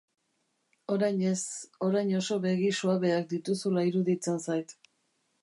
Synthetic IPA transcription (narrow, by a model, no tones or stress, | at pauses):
o̞ɾajɲe̞so̞ɾajɲo̞so̞βe̞ɣisuaβe̞ak̚d̪it̪usulaiɾuðit͡sensajt̪